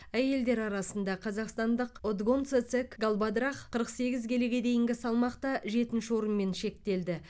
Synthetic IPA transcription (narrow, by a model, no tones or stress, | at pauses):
æje̞ld̪e̞ɾɑɾɑsənd̪ɑqʰɑzɑqst̪ɑnd̪əqod̪ɡont̪set̪sekɡalˠbad̪ɾɑχqʰəɾəqse̞ɡʲɪzɡʲʰe̞leɡʲe̞d̪e̞jɪŋɡʲɪsɑlˠmɑqt̪ɑʒe̞t̪ɪnʃɪwo̞ɾənme̞nʃe̞k̚t̪e̞ld̪ɪ